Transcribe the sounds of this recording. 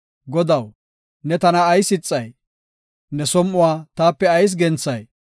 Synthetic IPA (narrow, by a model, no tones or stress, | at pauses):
ɡɔd̪ɐw | nɛt̪ɐnɐːjsɪt͡sʼːɐj | nɛsɔmʔʊwaːt̪aːpːɛɐjs̬ɡɛnt͡sːɐj